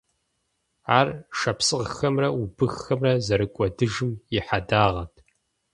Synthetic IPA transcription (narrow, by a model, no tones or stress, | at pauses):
aːrʃɐpsɨʁxɐmrɐubɨxxɐmrɐzɐɾɨkʷʼɔdɨʒɨmjɪħadaːʁɐtʰ